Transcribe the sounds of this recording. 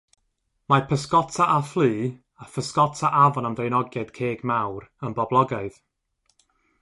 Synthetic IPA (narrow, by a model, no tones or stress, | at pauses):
mapʰəskɔtʰaʔaflˠiː | afəskɔtʰaʔavɔnamdrejnɔɡjad̥kʰeːɡmawrənbɔblˠɔɡaɨð̥